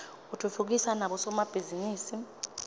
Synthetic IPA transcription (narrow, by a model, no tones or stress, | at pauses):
utʰufuk̬isanaɓɔsɔmab̥ʱiziniːsi